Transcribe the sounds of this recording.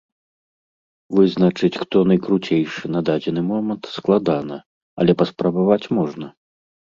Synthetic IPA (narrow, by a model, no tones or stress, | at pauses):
vɨznɐt͡ʂɨt͡sʲxt̪ɔnɐjkɾut͡sʲejʂɨnɐd̪ad͡zʲɛnɨmɔmɐnt̪sklˠad̪anɐ | ɐ̰lʲɛpɐspɾɐbavat͡sʲmɔʐnɐ